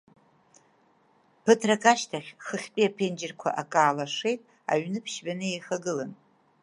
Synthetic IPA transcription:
pʰɨtʰrakʰʼaʃtʰaχʲχəχʲpʼiapʰend͡ʒɪrkʷʰa̰ʔakʼaːlaʂejtʼ | a̰ɥnɨpʰʃbanɨejχaɡɨlan

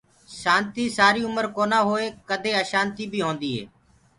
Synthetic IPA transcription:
ʃaːnt̪iːsaːɾiːʊməɾkoːnãːɦoːeːkəd̪ʱeːəːʃãːnt̪iːbʱiːɦoːnd̪iːɦḛː

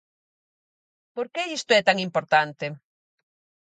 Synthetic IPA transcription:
poɾkeist̪ʊɛt̪aŋimpoɾt̪ant̪e

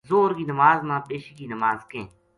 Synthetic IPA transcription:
zoːɾkiːnəmaːzmãːpeːʃikiːnəmaːzkẽː

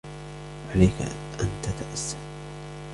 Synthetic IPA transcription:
ʕalajka̰ | ʔant̪at̪aʔasːal

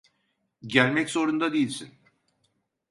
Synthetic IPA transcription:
ɟælʲmɛcso̞ɾund̪ad̪ejilʲsin

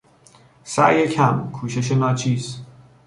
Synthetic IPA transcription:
sæ̰ʔjecʰæmkʰuːʃe̞ʃ̬enɒːt͡ʃʰiːz

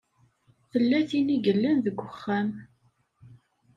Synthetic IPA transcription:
θəlːæθiniɡəlːænðəɡʷːəχːæm

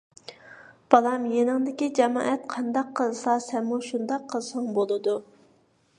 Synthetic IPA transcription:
b̥ɑlˠɑmjenɪŋd̪ɪkʲid͡ʒɛmɑ̰ːʔɛt̪̚qʰɑnd̪ɑqʰːəlˠsɑsɛnmuʃund̪ɑqʰːəlˠsɑŋbolˠɨd̪u

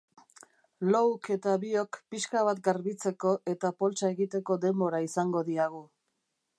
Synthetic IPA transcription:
lowke̞t̪aβio̞kpiʃkaβ̞at̪̚ɡaɾβit͡se̞ko̞ʔe̞t̪apo̞lt͡ʃae̞ɣit̪e̞ko̞d̪e̞mbo̞ɾaisaŋɡo̞ðiaɣ̞u

